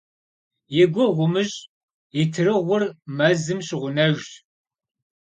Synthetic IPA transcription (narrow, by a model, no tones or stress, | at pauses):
jɪɡʷɔʁʷʊmɨʑʼ | jɪtʰɨrɨʁʷʊrmɐzɨmɕɪʁʷʊnɐʒʷɕ